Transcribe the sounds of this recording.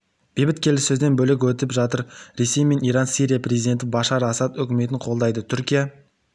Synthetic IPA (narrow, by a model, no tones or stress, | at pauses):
b̥ebɪt̪kʲʰe̞lɪsɵzd̪e̞nbɵlɪk̬ʲwɵt̪ɪpʒɑt̪əɾɾe̞se̞jme̞nijɾɑnsiɾijaprʲe̞zijd̪e̞nt̪̬ɪbɑʃɑɾɑsɑt̪ɵkʲɪme̞t̪ɪɴqʰo̞lˠd̪ɑjd̪ət̪ʰʏɾkʲija